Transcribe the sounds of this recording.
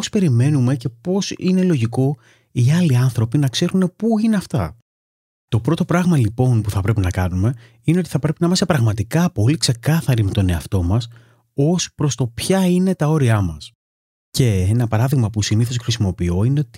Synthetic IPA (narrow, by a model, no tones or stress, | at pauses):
ospe̞ɾime̞nume̞ce̞po̞sine̞lo̞ʝiko̞ | iɐliɐnθɾo̞pinɐkse̞ɾune̞puineɐft̪ɐ̰ | t̪o̞pɾo̞t̪opɾɐɣmɐlipo̞npuθɐpɾe̞pinɐkɐnume̞ | ineo̞t̪iθɐpɾe̞pinɐimɐst̪epɾɐɣmɐt̪ikɐpo̞likse̞kɐθɐɾime̞t̪o̞ne̞ɐft̪o̞mɐs | o̞spɾo̞st̪opçɐine̞t̪ɐo̞ɾiɐmɐs | ce̞enɐpɐɾɐðiɣmɐpusiniθo̞sxɾisimo̞pio̞ine̞o̞t̪i̥